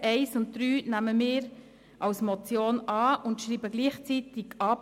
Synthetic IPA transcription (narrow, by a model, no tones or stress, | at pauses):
ɛɪsʊnt̚d̥̪ɾyːnæməmɪːɾ | ʔɑwsmɔt͡sjoːnɑːʊntʃɾiːbəɡliːχt͡sit̪ɪɡʔɑːp